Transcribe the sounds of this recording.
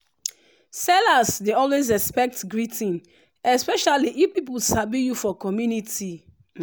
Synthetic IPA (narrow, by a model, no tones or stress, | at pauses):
sɛlasdeɔlwezɛspɛk̚tɡɹitĩn | ɛspɛʃaliʔifpip̬ulsabijufɔkɔmjuniti